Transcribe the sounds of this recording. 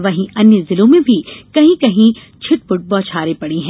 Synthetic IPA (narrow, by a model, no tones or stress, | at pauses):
ʋɐɦĩʔɐnjəzɪlõmẽbʱikɐɦĩkɐɦĩ | t͡ʃʰɪʈ̚pʊʈ̚bɔːt͡ʃʰaːɾepɐɽiɦɛ̃